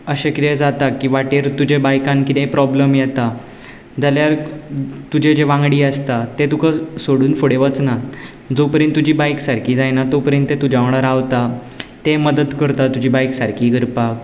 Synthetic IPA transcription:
əɕekit̪ed͡zat̪akːiːʋaʈeɾt̪ud͡ʑebajkãnkit̪ẽpɾɔbləmjɛt̪a | d͡zaljaɾt̪ud͡ʑed͡ʑeʋãŋɡɽiːəst̪at̪et̪ukasoɽuːnfoɽeʋət͡sna | d͡zopəɾjə̃nt̪ːud͡ʑiːbajksaɾkʰiːd͡zajnat̪opəɾjə̃nt̪et̪ud͡ʑaʋɽ̃aɾaʋt̪a | t̪eməd̪əd̪kəɾt̪at̪ud͡ʑiːbajksaɾkʰiːɡəɾpak̚

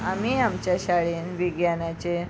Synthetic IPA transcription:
amiamt͡ɕjaɕaɭenʋiɡjanat͡ɕe

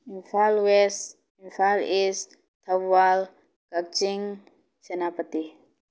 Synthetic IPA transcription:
infalwɛs | infalis | t̪ʰabal | ɡ̥ak̚d͡ʒiŋ | t͡ʃənapət̪i

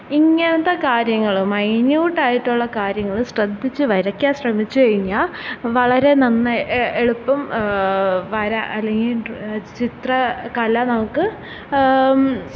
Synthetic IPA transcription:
iŋːɐnɐt̪ːɐkaːɾjɐŋːɐɭumːɐjnjuːʈːaːjiʈːuɭːɐkaːɾjɐŋːɐɭuɕrɐd̪ʱːit͡ɕːɨʋɐɾɐkʲːjaːɕrɐmit͡ɕːukɐɻiɲːaːʋɐɭɐɾe̞nɐnːɨeɭupːɐm | ʋɐɾaʔɐlːe̞ŋɡilt͡ɕit̪rɐkɐlɐnɐmukːɨ

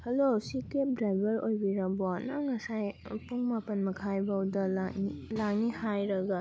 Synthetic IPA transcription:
hɐlosikep̚dɾajbɐɾojbiɾɐboanɐŋɐsajpuŋmapɐnmɐkʰajbawdɐlanilaŋ̚nihajɾɐɡɐ

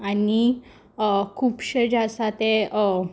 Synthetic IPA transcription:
ani | kʰuːpɕəd͡ʑasat̪e

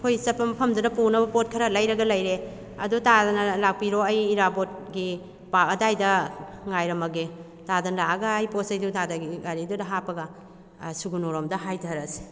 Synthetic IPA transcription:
pʰojsɐpʰɐmpʰɐmdudɐpunɐbɐpot̚kʰɐɾɐlɐjɾɐɡɐlɐjɾe | ɐdutadɐnɐlak̚piɾoɐjːɾabot̚ɡi | pakɐdajdɐŋajɾɐmɐɡe | tadɐnlaɐɡɐːjposɐjdutadaɡiɡaɾidudɐɦapɐɡɐ | suɡunoɾomdɐɦajtʰɐɾɐsi̥

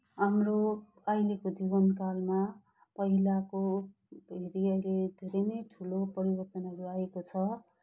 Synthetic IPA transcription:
ɦamro | ʌjlekod͡zibʌnkalma | pʌɦilako | bʱeɾiʌjled̪ʱeɾʌnʌjʈʰulopʌɾibʌrt̪ʌnʌɾuaekot͡sʰʌ

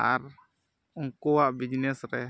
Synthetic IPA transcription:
aɾ | ɔŋkɔwaʔbid͡ʒnɛsɾɛ

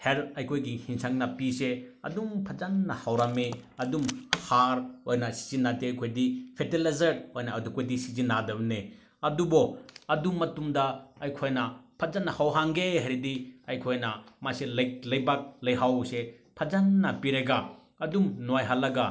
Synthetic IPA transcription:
heɾɐjkʰojɡihiŋsaŋnɐpiseɐ̰dumpʰɐzanːɐhawɾameɐdumhaɾojnɐsi̥zinːateɐjkʰojdipʰetelazɐɾojnɐːdukojdisizinːadɐbne | ɐdubɔɐdumːɐtumdɐɐjkʰojnɐpʰɐzanːɐhawɦaŋɡeɦɐɾidiɐjkʰojnɐmaselɐjlɐjbak̚lɐjɦawse | pʰɐzanːɐpiɾeɡa | ɐdumnojɦalːɐɡa

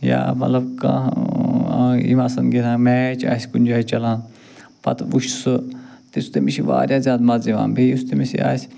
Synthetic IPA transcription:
ja̰ːmɐt̪lɐbkã̰ | ḭmaːsɐnɡiɾãːmeːt͡ʃʰa̰ːsʲkunʲd͡ʒaːit͡ʃɐlãːn | pɐ̰t̪ʰbuʃsɨ | t̪est̪emiʃiʋa̰ːɾʲjaːzʲjaːd̪mɐziʋa̰ːnbeust̪emisḭa̰ːsʲ

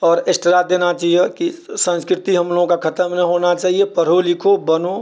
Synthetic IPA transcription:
ɔːɾesʈɪɾaːt̪̚d̪eːnat͡ʃaːɦiekisə̃nskɾɪt̪iɦɐmloːɡõkakʰɐt̪əmnɐɦoːnat͡ʃaːɦiepəɾolɪkʰobɐno

